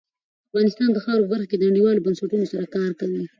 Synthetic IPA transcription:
afɣɑnɪst̪ɑnd̪əxɑɾopəbaɾxaked̪ənaɽiwɑlobansaʈunosaɾakɑɾkawi

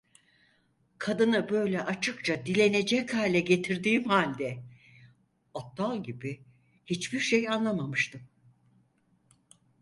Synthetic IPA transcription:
kʰad̪ɯnɯbø̞jlʲɛʔat͡ʃʰɯkt͡ʃʰad̪ilʲe̞ne̞d͡ʒɛchaːlʲɛɟe̞t̪ʰiɾd̪iːmhaːlʲd̪ɛ | ot̪ʰːalˠɟibi | hit͡ʃbiɾʃejanlˠamamɯʃt̪ʰɯm

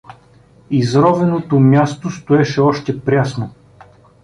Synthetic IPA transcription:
izɾɔvɛnot̪omʲjast̪ost̪oɛʃɛɔʃt̪ɛpɾʲasno

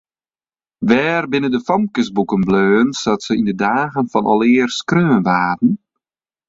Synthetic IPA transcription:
ʋɛːrbɪnəndəfɔmkəsbukənbløːnsɔtsəindədaːɣənfɔnɔ̰lˠɪərskrøːnʋaːtn̩

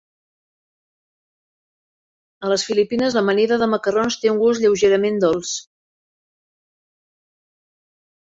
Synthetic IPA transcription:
ələsfilipinəzləmənɛðəðəməkəronst̪euŋɡusʎəwʒeɾəmend̪olˠs

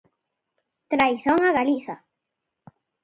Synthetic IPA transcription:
t̪ɾajθoŋaɣaliθa

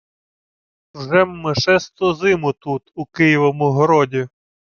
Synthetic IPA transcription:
wʒɛmːeʃɛst̪ɔzɪmʊt̪ut̪ukɪjiʋɔmʊɦɔɾɔdʲi

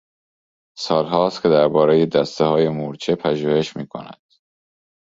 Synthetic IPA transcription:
sɒːlɦɒːst̪cʰe̞d̪æɾbɒːɾejed̪æst̪eɦɒːje̞muɾt͡ʃʰepʰæʒuːhe̞ʃmiːkʰo̞̰næ̰d̪̥

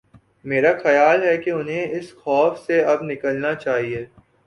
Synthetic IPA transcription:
meːɾaxɐjaːlɦɛkeʊnɦẽɪsxɔːfseɐbnɪkəlnat͡ʃaːɦie

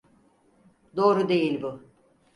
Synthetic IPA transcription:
d̪o̞ːɾud̪e̞jilʲbʊ

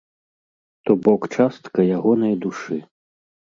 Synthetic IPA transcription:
t̪ɔbɔkt͡ʂast̪kɐjaɣɔnɐjd̪uʂɨ

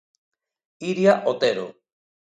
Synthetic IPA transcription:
iɾiaʔot̪eɾo̰

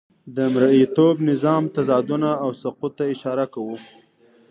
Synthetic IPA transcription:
d̪əmɾait̪obnɪzɑmt̪azɑd̪unaːwsaqut̪ːaɪʃɑɾakawu

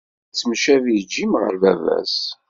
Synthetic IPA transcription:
t͡sːmʃævid͡ʒːimʁə̰ɾvævæ̰s

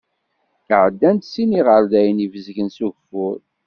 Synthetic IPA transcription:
θəʕəd̪ːænt̪siniʁəɾðæjnivəzʝənsuʝfʊɾ

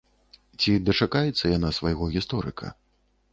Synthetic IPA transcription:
t͡sʲid̪ɐt͡ʂakajɛt̪sːɐjanasvajɣɔɣʲist̪ɔɾɨ̰kʰɐ̰

